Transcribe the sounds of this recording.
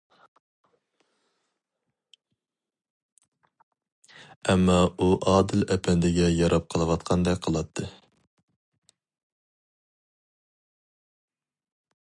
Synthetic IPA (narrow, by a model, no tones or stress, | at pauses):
ɛmːɑuʔɑːd̪ɨlɛpʰɛnd̪ɪɡʲɛjɑɾʔɑp̚qʰəlˠɨwɑt̪̚qʰɑnd̪ɛkʲqʰəlˠɑt̪ʰːɨ